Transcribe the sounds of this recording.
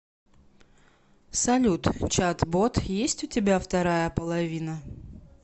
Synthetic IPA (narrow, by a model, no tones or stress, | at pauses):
sɐlʲut̪t͡ɕat̪bot̪jesʲtʲʊtʲɪbʲaft̪ɐɾajəpəlˠɐvʲinə